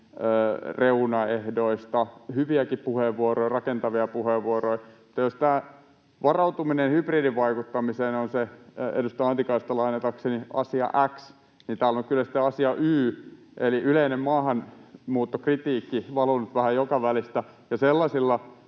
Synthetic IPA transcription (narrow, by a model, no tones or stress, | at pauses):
øːreunɑehdoist̪ɑhyʋiækippuheʋʋuoroirɑkent̪ɑʋiɑpuheʋːuoroimŭ̥t̪ːɑjost̪æː | ʋɑrɑut̪uminenhypriːdiʋʋɑikut̪ːɑmiseːnonseḛdust̪ɑɑnt̪ikɑist̪ɑlɑinet̪ɑkseniɑ̰siɑ̰ʔæks | nint̪æːlːoŋkkylːæsi̥t̪ːeɑsiɑʔyːʔeliʔyleinemmɑːhɑnmuːt̪ːokrit̪iːkːiʋɑlunut̪ʋæhæjjokɑʋælist̪æ | jɑselːɑsilːɑ